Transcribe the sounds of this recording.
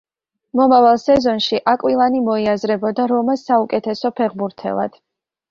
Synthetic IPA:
mɔmavalˠsɛzɔnʃiʔakʼwilˠanimɔiazɾɛbɔd̪aɾɔmasaukʼɛt̪ʰɛsɔpʰɛʁbuɾt̪ʰɛ̰lˠa̰d̪̥

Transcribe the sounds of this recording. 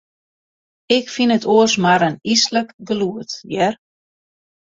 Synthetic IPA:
ɪkfinətoəsmaɾənisləkɡəluətjɛr

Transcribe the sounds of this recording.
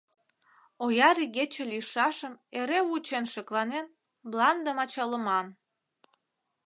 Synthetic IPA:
ojɑɾiɣet͡ɕĕliʃɑʃəmeɾeut͡ɕenʃəklɑnen | blɑnd̪əmɑt͡ɕɑləmɑn

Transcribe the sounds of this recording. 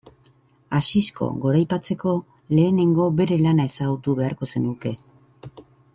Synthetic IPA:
asisko̞̰ɣo̞ɾajpat͡se̞ko̞ | le̞ːne̞ŋɡo̞be̞ɾe̞lanae̞saɣut̪uβe̞aɾko̞se̞nuke̞

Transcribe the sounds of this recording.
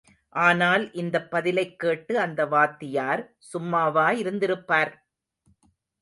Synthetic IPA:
ʔaːnaːlʔɪnd̪ɐpːɐðɪlɐɪkːeːʈːɯɐnd̪ɐʋaːt̪ːɪjaːɾ | sʊmːaːʋaːjɪɾɯnd̪ɪɾɯpːaːɾ

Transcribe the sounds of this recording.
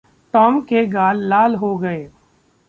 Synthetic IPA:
ʈɔːmkeɡaːlːaːlɦoɡɐeː

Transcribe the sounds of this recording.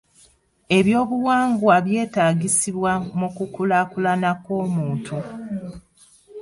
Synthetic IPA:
e̞βjo̞ːβuwaːŋɡwaβje̞ːtaːɡisiβwamukukulakulanako̞ːmuːntu

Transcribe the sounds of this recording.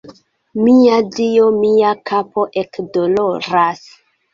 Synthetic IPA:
miadio̞miakʰapo̞ʔe̞kdo̞lo̞ɾas

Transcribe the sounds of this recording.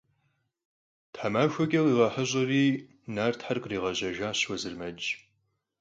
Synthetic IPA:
tħamaːxʷɐɡʲʼɐwiːʁɐħəʑʼɐriː | naːrtħarkʼriːʁɐʑɐʒaːɕwɐzɨrmɐt͡ʃʼ

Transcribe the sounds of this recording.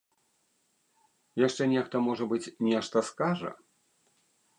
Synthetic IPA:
jaʂt͡ʂɛnʲɛxt̪ɐmɔʐɐbɨt͡sʲnʲɛʂt̪ɐskaʐɐ̰

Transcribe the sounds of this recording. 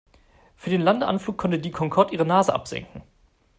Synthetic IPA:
fyːɐdeːnlandəʔa̰nfluːkʰːɔntədiːkʰɔŋkʰɔɐtiːʁənaːzəʔa̰pz̥ɛ̰ŋkŋ̩

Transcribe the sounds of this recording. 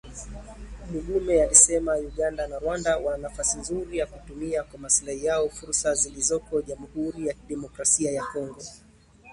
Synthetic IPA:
miɠumɛjaisɛmajuɠandanaɾwandawananafasinzuɾijakutumiakwamaslahijaɔfuɾsazilizɔkɔʄamuhuɾijakiɗɛmɔkɾasiajakɔŋɡɔ

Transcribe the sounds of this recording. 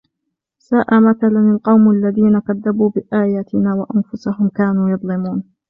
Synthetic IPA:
saːʔamaθalanalqɑwmʔalːaðiːnakaðːabuːbɪʔaːjaːt̪ɪnaːwaʔanfʊsahʊmkaːnuːjɑðˤlɪmuːn

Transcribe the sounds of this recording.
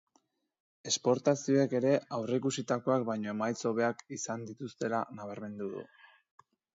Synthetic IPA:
e̞spo̞ɾt̪asio̞eke̞ɾe̞awre̞kusit̪ako̞ak̚bajɲo̞e̞majt͡so̞β̞e̞akisand̪it̪ust̪e̞lanaβ̞aɾme̞nd̪uðṵ

